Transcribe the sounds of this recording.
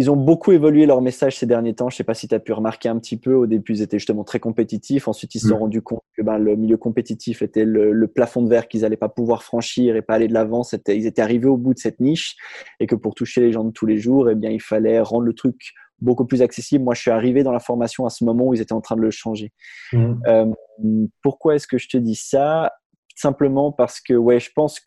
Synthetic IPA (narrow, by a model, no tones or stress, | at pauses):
ilzɔ̃bokʰuevɔlɥelœʁmesaʒsed̪ɛʁnjet̪ɑ̃ʒəsɛpasi̥t̪yapyʁəmaʁkʲeɛ̃pt̪ipøod̪ebyilzet̪ɛʒyst̪əmɑ̃t̪χɛkɔ̃pet̪it̪ʰifɑ̃sɥit̪ilsəsɔ̃ʁɑ̃d̪ykʰɔ̃t̪kəbɛ̃ləmiljøkɔ̃pet̪it̪ʰifet̪ɛlələplafɔ̃d̪vɛʁkilzalɛpapuvwaʁfχɑ̃ʃiʁepaːled̪əlavɑ̃set̪ɛilzet̪ɛaʁiveobud̪əsɛt̪niʃekəpuʁt̪uʃeleʒɑ̃d̪ət̪ʰuleʒuʁebjɛ̃ilfalɛʁɑ̃d̪ʁlət̪χyk | bokuplyzaksesibləmwaʒə̥sɥiaʁived̪ɑ̃lafɔʁmasjɔ̃asəmɔmɑ̃uilzet̪ɛɑ̃t̪χɛ̃d̪ələʃɑ̃ʒe | ømpuʁkwaɛskəʒət̪əd̪isa | sɛ̃pləmɑ̃paʁsə̥kəwɛʒəpɑ̃s